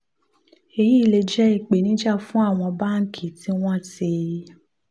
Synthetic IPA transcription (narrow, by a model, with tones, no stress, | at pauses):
e˧ji˦i˧˨le˧d͡ʒɛ˦i˦˨k͡pe˨nĩ˨˦d͡ʒa˦˨fũ˦a˦˨w̃ɔ̃˧ba˦ŋ̩˦kʰi˨˦ti˦w̃ɔ̃˦˨te˧˦